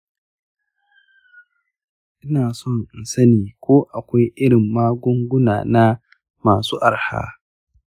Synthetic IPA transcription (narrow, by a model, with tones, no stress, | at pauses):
ʔɪ˦naː˨sɔ˦˨ŋɪ˨nsɐ˦niː˨kʷoː˦ʔa˨kʷa˦jʔɪ˦ɽɪ˨mːaː˦ɡʷʊ˦ŋɡʷʊ˦na̰ː˨na˦ | maː˨suː˦ʔa˨rha̰ː˦